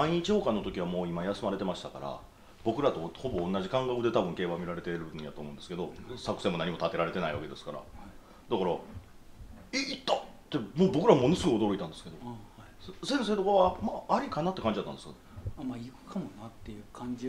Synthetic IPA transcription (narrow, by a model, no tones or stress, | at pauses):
maiɲ̟it͡ɕiho̞ːkanːo̞t̪o̞kʲiβ̞amoːimajasɨmaɾe̞t̪e̞maɕi̥t̪aka̰ɾa̰ | b̥o̞kɯ̟ɾat̪o̞ho̞bõːnːaʑikãŋɡakɯ̟d̪e̞t̪abɯ̟ŋke̞ːβamʲiɾaɾe̞t̪e̞ɾɯ̟̃ja̰t̪oːmo̞ɯ̃nd̪sɨ̥ke̞d̪o̞sakɯ̟̥se̞ːmo̞naɲ̟imo̞t̪at̪e̞ɾaɾe̞t̪e̞naiβake̞d̪e̞sɨ̥kaɾa̰ | d̪akaɾa | eit̪ːat̪ːe̞moːbo̞kɯɾaβmo̞nosɨɡoio̞d̪o̞ɾo̞it̪ãnd̪e̞sɨ̥ke̞d̪o | sẽ̞se̞ːt̪o̞koβamaːɾʲikanat̪ːekaɲd͡ʑiat̪ːã̰nd̪sɨknemaikɯ̟̥kʰamonat̪ːejɯ̟kʰãɲd͡ʑi